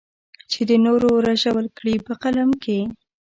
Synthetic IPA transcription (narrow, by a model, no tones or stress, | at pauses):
t͡ʃed̪ənoɾoɾaʃawəlkɽipəqalamkʰe